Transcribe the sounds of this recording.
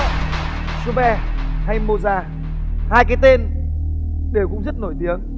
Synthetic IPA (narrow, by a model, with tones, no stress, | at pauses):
su˨˧˦ɓɛ˧ha˧jmo˧zaː˧ | haː˧jkaː˨˦jt̪e˧n | ɗe˨˧˩wkʊ̰˧˥ŋ͡mzə˦˥t̚no˧˩jt̪i˨˦əŋ